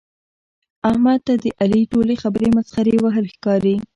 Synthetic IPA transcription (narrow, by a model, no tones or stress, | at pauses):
ahmad̪̚t̪ad̪əʔaliʈolexabəɾemasxaɾewaɦəlxkɑɾi